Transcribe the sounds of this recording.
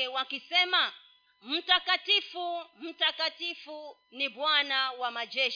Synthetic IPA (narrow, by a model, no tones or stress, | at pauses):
ɛwakisɛma | m̩takatifum̩takatifu | niɓwanawamaʄɛʃ